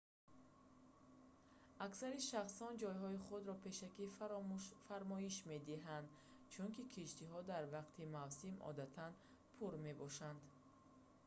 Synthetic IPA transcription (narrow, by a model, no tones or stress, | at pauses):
aksaɾiʃaχsɔnd͡ʒɔjɦɔiχud̪ɾɔpʰe̞ʃaki | faɾmɔiʃme̞d̪iɦand̪ | t͡ʃʰuŋkikʰiʃt̪iɦɔd̪aɾvaqt̪ʰimavsimɔ̰d̪at̪ʰan | pʰuɾme̞bɔʃand̪